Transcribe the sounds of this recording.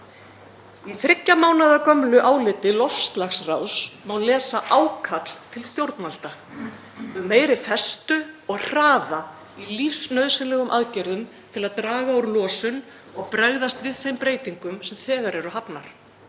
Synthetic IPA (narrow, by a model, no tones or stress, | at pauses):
iθɾɪcːamaːwnaðakœmlʏʔaːwlɪt̪ɪlɔfst̪laxsrawsmawlɛːsaʔawkʰat̪l̥t̪ʰɪlst̪jowɾt̪nal̥t̪a | ʏmːeːjɾɪfɛst̪ʏɔɣr̥aːða | ilifsnœɥðsɪlɛɣʏmʔaðcɛɾðʏm | t̪ʰɪlaðt̪ɾaːɣawɾlɔːsʏn | ɔɣpɾaɣðast̪vɪðθejmpɾeːjt̪iŋkʏmsɛmθɛːɣaɾɛɾʏɦapnaɾ̥